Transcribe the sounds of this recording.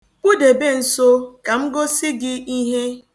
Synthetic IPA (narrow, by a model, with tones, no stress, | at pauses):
k͡pu˦de˨be˦n̩˨so˦ka˨m̩˦ɡo˦sɪ˦ɡɪ˦i˦ɦe˦